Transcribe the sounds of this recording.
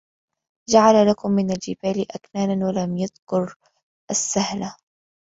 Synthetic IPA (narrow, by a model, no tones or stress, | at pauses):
d͡ʒaʕalalakʊmːɪnald͡ʒɪbaːlɪʔaknaːnanwalamjaðkʊɾ | ʔasːahla